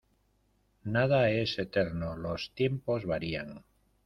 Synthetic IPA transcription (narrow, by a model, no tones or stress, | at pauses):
nað̞ae̞se̞t̪e̞ɾnolo̞st̪je̞mpo̞zβaɾiaŋ